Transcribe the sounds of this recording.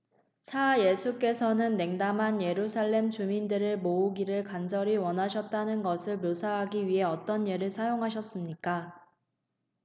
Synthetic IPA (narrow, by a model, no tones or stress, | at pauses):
sʰaje̞sʰuk͈e̞sʰʌnɯnːe̞ŋdamɦanje̞ɾusʰaɭːe̞mt͡ɕumindɯɾɯɭmouɡiɾɯɭkand͡ʑʌɾiwʌnɦaɕʰʌt̚t͈anɯnɡʌsʰɯɭmjosʰaɦaɡiɥiɦe̞ʌt͈ʌnjeɾɯɭsʰajoŋɦaɕ̬ʰʌs͈ɯmɲik͈a